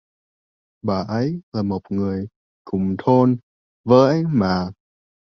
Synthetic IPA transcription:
ɓaː˨˩ʔə˨˦jlaː˨˩mo˨˩k͡p̚ŋɨ˨˩əj | kʊ˨˩ŋ͡mt̪ʰo˧n | vəː˨˦jʔa˧jŋmaː˨˩

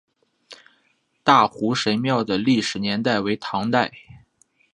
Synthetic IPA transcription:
t̪a˥˩xu˧˥ʂe˧˥ɪmjɑ˥˩ʊd̪ə˩li˥˩ʂɻ̩˨˩njɛ˧˥nt̪a˥˩ɪwe˧˥ɪt̪ʰɑ˧˥ŋt̪a˥˩ɪ

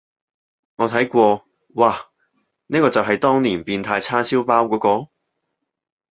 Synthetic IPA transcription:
ŋɔː˨˧t̪ʰɐ˨˥jkʷɔː˧ | waː˨˩ | niː˥kɔː˧t͡sɐ˨wɦɐ˨jt̪ɔː˥ŋniː˨˩npiː˧nt̪ʰaː˧jt͡sʰaː˥siː˥wpaː˥wkɔː˨˥kɔː˧

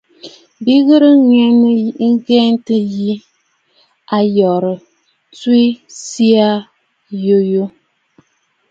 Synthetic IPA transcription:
bi˦ɣɨ˦ɾɨ˦ŋɛ˦nɨ˦ŋ̩˦ɡɛ˦n˦tɨ˦ji˦ | a˨jɔ˨ɾɨ˨ | tu˦i˦si˦a˦ | jo˦jo˦

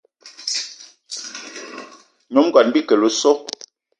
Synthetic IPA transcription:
ɲo˨˦m˦ɡɔ˨nbi˦kə˨lo˨sɔ˦

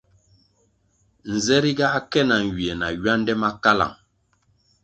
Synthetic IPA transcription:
n̩˨zɛ˦ɾi˦ɡa˦kɛ˦na˨ŋ˨ɡi˨ɛ˨na˨ɥa˦n˦dɛ˦ma˦ka˦la̰˨ŋ

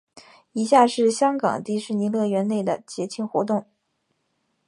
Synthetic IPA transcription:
i˧˥ɕja˥˧ʂɻ̩˥˩ɕjɑ˥ŋkɑ̰˨˩ŋt̪i˥˧ʂɻ̩˥˩ni˧˥lɤ˥˩ɥɛ˧˥nne˥˩ɪd̪ə˩t͡ɕjɛ˧˥t͡ɕʰi˥nxwɔ˧˥t̪ʊ˥˩ŋ

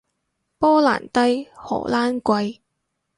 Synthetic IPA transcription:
pɔː˥la̰ː˨˩nt̪ɐ˥jhɔ̰ː˨˩laː˥nkʷɐ˧j

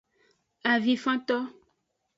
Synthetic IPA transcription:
a˨vi˨fã˦t̪ɔ˦

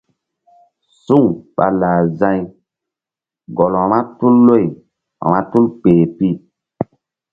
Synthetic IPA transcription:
su˦ŋɓa̰˨laː˨zã˦j | ɡɔ˨la˨ma˦tu˦lːo˦˨j | a̰˨ma˦tu˦lk͡peː˨pi˦

